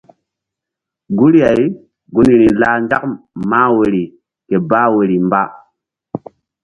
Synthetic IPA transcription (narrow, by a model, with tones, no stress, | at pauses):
ɡu˦ɾja˨i˦ | ɡu˦ni˨ɾi˨la˦n˦d͡ʒa˦kma˦we˨ɾi˨ | ke˨ba˦we˨ɾi˨mba˦